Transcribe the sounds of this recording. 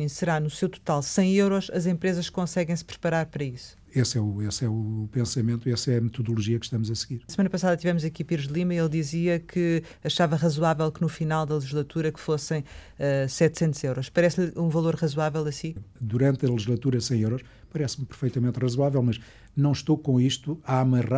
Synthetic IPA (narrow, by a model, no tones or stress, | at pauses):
sɨɾanusewt̪u̥t̪alˠsɐ̃j̃ewɾɔʃɐzẽmpɾezɐʃkõsɛɣɐ̃j̃sɨ̥pɾɨpɐɾaɾpɐɾɐisu̥ | esɛuesɛupẽsɐmẽnt̪uesɛɐmɨt̪uðulˠuʒiɐkʃt̪ɐmuzɐsɣiɾsmɐnɐpɐsaðɐt̪ivɛmuzɐkipiɾʒd̪lˠimɐielˠd̪iziɐkʰɨ | ɐʃavɐʁɐzuwavɛlˠkɨnufinalˠd̪ɐlˠʒiʒlˠɐt̪uɾɐkfosɐ̃j̃ | ɛsɛt̪sẽnt̪uz̥ewɾɔʃpɐɾɛsʎũvɐlˠoɾʁɐzwavɛlˠɐsĩd̪uɾɐ̃nt̪ɐlˠʒiʒlˠɐt̪uɾɐsɐ̃j̃ewɾɔʃ | pɐɾɛsmpɨɾfɐjt̪ɐmẽnt̪ʁɐzwavɛlˠmɐʃ | nɐ̃w̃ʃt̪okõiʃt̪uamɐʁa